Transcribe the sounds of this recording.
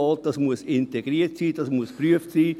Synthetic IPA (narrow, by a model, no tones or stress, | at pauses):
ɔlt̚d̥ɑsmuəsɪnteɡ̥ɾiːətsiːd̥ɑsmuəspryəftsiː